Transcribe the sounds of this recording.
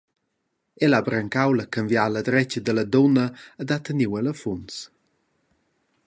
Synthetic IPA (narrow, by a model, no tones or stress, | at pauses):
ɛlabɾəŋkawləkənvjaləd̪ɾɛt͡ʃəd̪ələd̪ɔnəːd̪at̪əniwɛləfuns